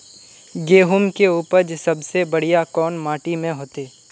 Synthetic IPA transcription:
ɡeːɦʊmkeuːpəɾd͡ʒsɐbsebɐɽ̤ijakɔːnmaːʈimẽɦoːt̪eː

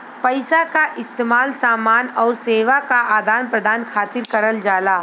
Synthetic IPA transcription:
pɐɪsakaʔɪst̪eːmaːlsaːmaːnɔːɾseːʋakaʔaːd̪aːnpɾəd̪ʱaːnkʰaːt̪ɪɾkɐɾəld͡ʒaːlaː

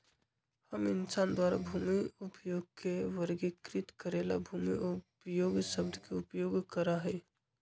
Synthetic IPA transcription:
həminsand̪waɾa̰bʱumiupjoɡ̚kʰeʋəɾɡikɾit̪kəɾela̰bʱumiupjoɡsəbd̪ʱkeupjoɡkəɾaɦɛɪ

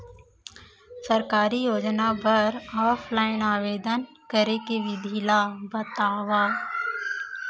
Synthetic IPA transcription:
sɐɾkaːɾijoːd͡ʒnabʱɐɾɔːpʰlaːɪnaːʋeːd̪ən | kəɾekeʋɪd̪ʱilabət̪aːʋaː

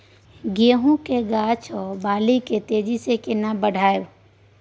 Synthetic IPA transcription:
ɡeːɦũkeɡaːt͡ʃʰɔːbaːliket̪eːd͡ʒisekɪnabəɽʱaːe

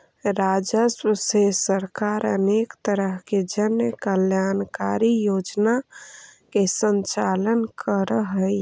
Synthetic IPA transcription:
ɾad͡ʒəswəsesəɾkaɾə̰nekt̪əɾəɦked͡ʒənjəkəljankaɾijod͡ʒna | kesənt͡ʃalənkʰəɾəɦəj

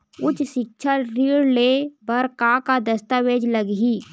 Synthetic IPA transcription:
ʊt͡ʃʃɪk̚t͡ʃʰaɾiːɽlebɐɾkakad̪əst̪aʋeːd͡ʒləɡɦiː

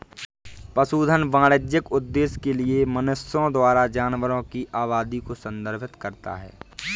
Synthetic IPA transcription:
pəsuːd̪ʱənʋãːɽəd͡ʒjɪkʊd̪ːeːskeliemənʊsjõd̪waːɾad͡ʒaːnʋəɾõkiʔaːβaːd̪ikosə̃nd̪əɾbʰʱɪt̪kəɾt̪a̰ɦɛ̰ː

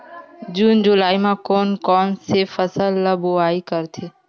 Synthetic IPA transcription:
d͡ʑuːnd͡ʑʊlaːimãkoːnkɔːnsefəsəlːəboaːikəɾt̪ʰeː

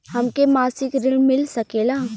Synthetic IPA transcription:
hɐmkemaːsɪkɾɪlmɪlsɐkeːlaː

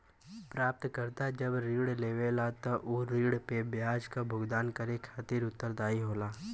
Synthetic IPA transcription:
pɾaːp̚t̪kəɾt̪ad͡ʒəbɾiːɽleːʋelat̪ɔʔoːɾiːɽpebjaːd͡ʒkabʱʊɡd̪aːnkəɾekʰaːt̪iɾʊt̪ːəɾd̪aːiɦoːlaː

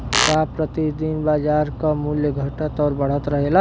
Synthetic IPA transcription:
kapɾət̪id̪inbaːd͡ʒaːɾkamuljəɡʱəʈət̪ɔːɾbəɽ̤ət̪ɾəɦela

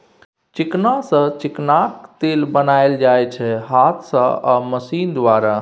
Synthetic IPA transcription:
t͡ʃiknasə̃t͡ʃiknakt̪elbənaeld͡ʒajt͡ʃʰɛɦat̪ʰsə̃a̰məsind̪ʋaɾa

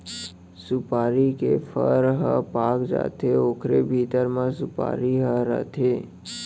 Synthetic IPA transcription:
supaɾikefʰəɾɦəpakd͡ʒa̰t̪ʰeokʰɾebʱit̪əɾmãsupa̰ɾiɦəɾə̰t̪ʰe

